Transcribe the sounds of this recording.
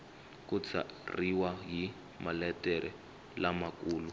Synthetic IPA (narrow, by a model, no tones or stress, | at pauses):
kut͡sʰa̰riwaɦi | malɛtɛɾʔɛ | lamakuːlu